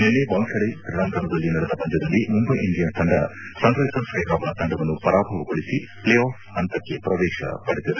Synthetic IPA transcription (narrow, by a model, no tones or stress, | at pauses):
nenːebɐŋʃɐɽek̪ɾɐɽɐŋk̪ɐɳɐd̪ɐlːinɐɽed̪ɐpɐɲd͡ʒɐd̪ɐlːimumbɐjʔiɳɖijɐnt̪ʰɐɳɖɐ̰sɐŋɡɾɐɦisɐnsɐjkaːbɐɳɐt̪ɐɳɖɐʋɐnːupɐɾaːbʱɐʋɐkoɭisipleːaːf | ɐnt̪ɐkːepɾɐʋɛːʃɐ̰pɐɽit̪ɐd̪e